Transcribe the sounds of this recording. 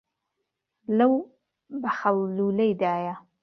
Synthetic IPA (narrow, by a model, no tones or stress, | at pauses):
lɐw | bɐxɐwluːlɐjd̪aːja